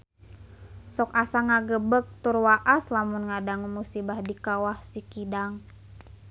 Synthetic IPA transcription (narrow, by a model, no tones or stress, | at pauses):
sɔkasaŋaɡəbək̚t̪urwaʔaslamunŋadaŋumusibahdikawahsikidaŋ